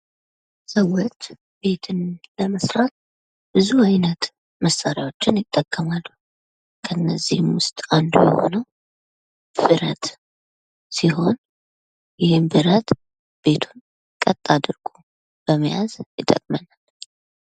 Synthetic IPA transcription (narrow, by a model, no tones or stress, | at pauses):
səwːɔt̪ | b̥e̞t̪ʰɨnləməsɾat̪̚ | b̥ɨzuajnət̪ | məsːaɾjawo̞t͡ʃːɪnjɪt̪ʼːəkʼːəmalːu | kʰəɨnːəzːihmwʊst̪ʼand̪ṵjɛ̰ho̞̰nəw | fɨɾət̪ | siɦo̞n | jɪhɪmbɨɾət̪ʼ | b̥e̞t̪ʰun | kʼət̪ʼːad̪ɨɾɡʼu | b̥əməjazjɪt̪ʼə̰kʼmənal